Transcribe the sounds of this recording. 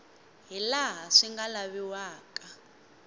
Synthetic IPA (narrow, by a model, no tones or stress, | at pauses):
ɦilaɦaʂiŋɡalaβiwaːkʼa